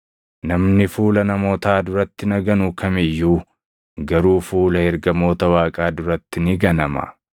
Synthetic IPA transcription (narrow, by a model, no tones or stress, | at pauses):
nɐmnɪfuːlɐnɐmo̞ːt̪aːd̪ʊɾɐt̪ːɪnɐɡɐnʊkʰɐmɪjːuː | ɡɐɾuːfuːlɐhɛɾɡɐmo̞ːt̪ɐwaːkʼaːd̪ʊɾɐt̪ːɪnɪɡɐnɐmɐ̰